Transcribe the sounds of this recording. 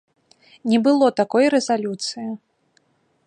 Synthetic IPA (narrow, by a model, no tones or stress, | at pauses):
nʲɛbɨlˠɔt̪akɔjɾɛzalʲut̪sɨji